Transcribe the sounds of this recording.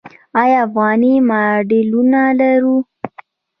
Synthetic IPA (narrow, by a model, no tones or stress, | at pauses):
ɑjɑafɣɑnimaɖelunalaɾu